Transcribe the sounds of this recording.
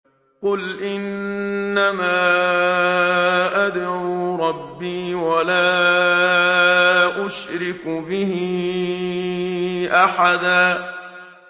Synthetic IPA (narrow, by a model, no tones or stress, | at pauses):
qʊlʔɪnː | amaː | ʔad̪ɾuɾˤɑbːiːwalaː | ʔʊʃɾɪkbɪhɪ | ʔaħad̪aː